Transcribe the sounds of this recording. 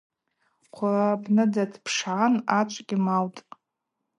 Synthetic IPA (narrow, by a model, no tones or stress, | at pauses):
qʷʰaabnɨdatʰpʰʂʕanat͡ʃʷʼkʲʼimawtʼ